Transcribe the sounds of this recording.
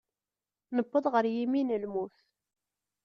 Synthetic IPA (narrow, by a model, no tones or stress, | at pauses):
nəbːəðˤʁəɾjiminəlmuθ